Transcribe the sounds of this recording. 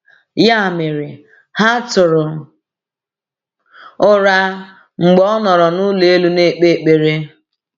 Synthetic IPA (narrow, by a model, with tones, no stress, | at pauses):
ja˦˨mɪ˨ɾɪ˨ | ha˦tʊ˨ɾʊ˨ | ʊ˦ɾa˦ | ŋ͡m̩˨ɡ͡bɔ˦ɔ˦nɔ˨ɾɔ˨nʊ˦le˨e˦lu˦ne˦˨k͡pe˦˨k͡pe˨ɾe˦